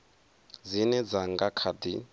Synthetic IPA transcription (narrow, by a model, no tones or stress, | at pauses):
d͡zinɛd͡zaŋɡakʰadi